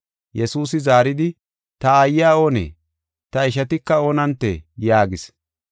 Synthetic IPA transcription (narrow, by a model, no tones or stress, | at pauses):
jɛsuːsɪzaːɾɪd̪ɪ | t̪ɐːjːaːoːnḛː | t̪ɐɪʃ̬ɐt̪ɪkːɐo̞ːnɐnt̪ːḛjaːɡɪs